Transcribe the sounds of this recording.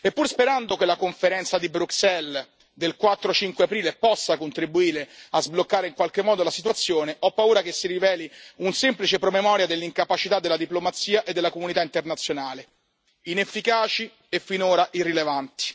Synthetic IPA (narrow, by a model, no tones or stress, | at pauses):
epːuɾspeɾand̪okelakoɱfeɾɛnt̪sad̪ibɾuksɛl | d̪elkwat̪ːɾot͡ʃiŋkweapɾiːlepɔsːakont̪ɾibuiːɾeazblokːaːɾeiŋkwalk̟emːɔːd̪olasit̪wat̪sːjoːneʔɔpːauːɾakesːiɾivɛːliunsemplit͡ʃepɾomemɔːɾjad̪elːiŋkapat͡ʃit̪ad̪ːelːad̪iplomat̪siːaʔed̪ːelːakomunit̪aint̪ernat̪sːjonaːle | inefːikaːt͡ʃi | efːinoːɾaʔirːilevant̪i̥